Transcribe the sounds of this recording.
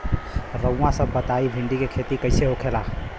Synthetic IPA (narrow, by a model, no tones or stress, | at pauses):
ɾə̃ːãsə̃bət̪aibʱiɳɖikekʰet̪ikəɪseɦokʰela